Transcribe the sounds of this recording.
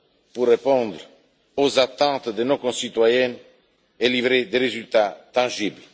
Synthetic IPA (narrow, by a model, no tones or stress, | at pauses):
purːepɔ̃d̪ɾ | ozat̪ɑ̃t̪d̪ənõkɔ̃sit̪wajɛn | elivɾed̪eɾezylt̪at̪ɑ̃ʒibl